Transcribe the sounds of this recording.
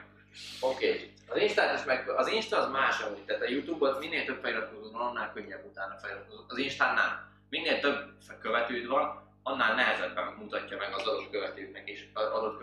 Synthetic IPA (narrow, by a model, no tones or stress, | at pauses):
okeː | ɒzinʃt̪aːniʃmɛɡɒzinʃt̪ɒːzmaːʃɛmut̪t̪ːaːt̪ɒjut̪uːbot̪minːeːlt̪ø̞bfɛjyɾɒt̪̚kozoːt̪vɒnɒnːaːlkøɲːɛbːut̪aːnːɒfɛjyɾɒt̪kozot̪ɒzinʃt̪aːnːa̰ːl | minːeːlt̪øbkøvɛt̪øːd̪vɒn | ɒnːaːlnɛɦɛzɛd̪ːɛmːut̪ɒcːɒmɛɡɒzɒd̪o̞t̪køvɛt̪øːknɛkeːʃɒd̪o̞t̪k